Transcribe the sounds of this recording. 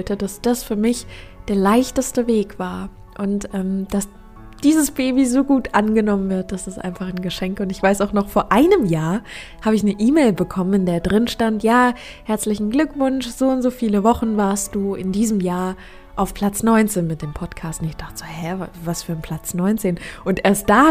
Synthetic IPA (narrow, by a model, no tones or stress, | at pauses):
ltəd̥asd̥asfyːɐmɪçd̥eːɐlaɪçtəstəveːkv̥aːɐ | ʔʊntʔɛːmd̥as | d̥iːzəsb̥eːbizoːɡuːtʔanɡənɔmənvɪɐt̚d̥asd̥asʔa̰ɪnfaχnɡəʃɛŋkʊntɪçv̥aɪsaʊxnɔχfoːɐʔaɪnəmjaːɐ | haːbəɪçnəʔiːmeːlbəkʰɔmənnɪndeːɐdʁɪnʃtantjaː | hɛɐt͡slɪçn̩ɡlʏkv̥ʊnʃz̥oːʊntz̥oːfiːləvɔχn̩vaːɐst̚d̥uːɪndiːzəmjaːɐ | ʔaʊfpʰl̥at͡snɔʏnt͡seːnmɪt̚d̥eːmpʰɔtkʰaːstnɪçd̥aχtə̥z̥oːhɛvasfyːɐnpʰl̥at͡snɔʏnt͡seːnʔʊntʔeːɐst̚d̥aː